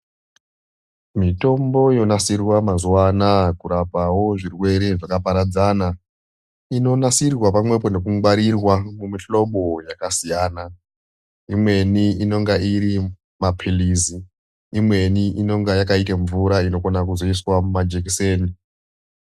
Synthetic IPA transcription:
mito̞mbo̞ijo̞nasirwamazuwanakuɾapawo̞ʐirwe̞ɾeʐakapaɾad͡zana | ino̞nasirwapamwe̞po̞ne̞kuwaɾirwamumiɬo̞ɓo̞jakasijaːna | imwe̞niino̞ŋɡaiɾi | mapʰiliziː | mwe̞niino̞ŋɡajakaitaɱvuɾaino̞konak̬uzo̞iswamumad͡ʒek̬iseːni

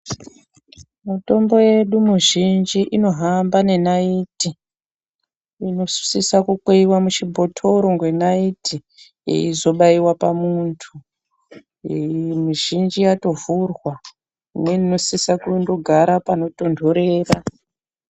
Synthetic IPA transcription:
muto̞mbo̞je̞ɗumuʒind͡ʒiʔino̞ɦambane̞naiti | ino̞ssisakukweiwamut͡ʃibʱo̞tʰo̞ɾo̞ŋɡwe̞naitʰḭ | izo̞ɓaiwapamuntʰu | miʒind͡ʒijato̞vurwa | imwenino̞sisakundo̞ɡʱaɾapano̞to̞ndʱo̞ɾe̞ːra

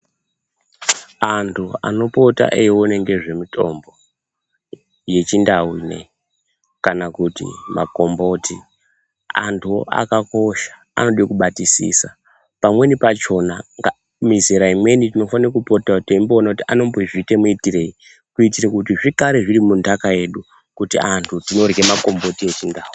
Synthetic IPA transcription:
antʰua̰no̞pota̰ʔejwoneŋɡe̞ʐe̞mitʰo̞̰mbo̞ | je̞t͡ʃindawiːne̞̰ | kanakutḭma̰ko̞mbo̞ti | a̰ntʰua̰kako̞ʃḁ | a̰no̞ɗjekuɓatisḭsa | pamwe̞nipat͡ʃo̞naŋɡa | mizeɾaimwe̞nitino̞fanrkupotautimbo̞ːnakutiʔano̞mboiʐitemuitire̞i | kuitirekutiʐikaɾeʐiɾimundakaje̞ɗu | kutiantʰutino̞rɣemako̞mbo̞tie̞t͡ʃindaːwu

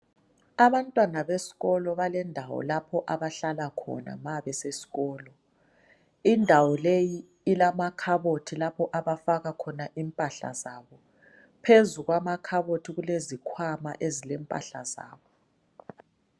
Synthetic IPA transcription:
aβantʼwanaβesi̥ɣɔlɔβalɛndʱawɔ̰lapʰɔʔaβaɬalakʰɔ̰na̰maβɛsesi̥ɣɔːlɔ | indʱawɔlejiː | lamakʰaβotʰilapʰɔʔaβafaɣakʰɔnaʔimpʼaɬa̰zaβɔ | pʰezuɣwamakʰaβotʰiɣulezikʰwama̰ʔezilɛmpʼa̰ɬa̰za̰ːβɔ

